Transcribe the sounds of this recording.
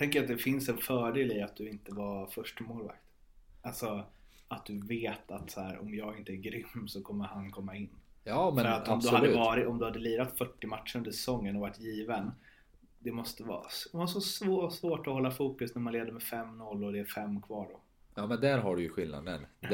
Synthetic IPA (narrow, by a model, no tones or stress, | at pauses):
t̪ʰɛŋkəɾat̪̚d̪ɛfɪnsɛnfœːɖeːlɪat̪̚d̪ɵɪnt̪əvafœʂʈɪmoːlva̰kt̪ | alsɔ | at̪̚d̪ɵveːt̪ʰat̪sæːɾɔ̰mjɑːɡɪnt̪əæɾɡɾʏmːsɔkʰɔmːəɾhankʰɔmːaɪnːjɑːmɛœɾat̪ɔmd̪ɵhad̪əʉvɑːɾɪɔmd̪ɵhad̪ːəliːɾat̪fœʈːɪmaʈʂəɾɵnd̪əʂɛsɔŋːənɔvaʈːjiːvən | d̪ɛmɔst̪əvɑ̰ːsɔmvasɔsvoːsvoːʈɔhɔlːafuːkɵsnæɾmanleːd̪əɾmɛfɛmnɔlːɔd̪ɛːɾfɛmːkʰvɑːɖɔ | jɑːmɛnd̪æɾɦaɖɵjɵɧɪlna̰d̪ə̰n